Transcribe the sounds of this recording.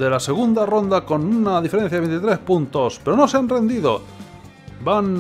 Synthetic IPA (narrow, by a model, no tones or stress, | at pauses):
ðe̞lase̞ɣ̞und̪aro̞nd̪ako̞nunaðifeɾe̞n̟θjaðe̞nt̪it̪ɾe̞spunt̪o̞spe̞ɾo̞no̞seanre̞nd̪iðo | ban